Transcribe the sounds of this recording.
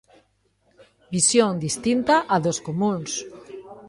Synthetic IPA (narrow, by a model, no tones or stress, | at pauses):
bisjõŋd̪ist̪int̪aʔaðoskomũns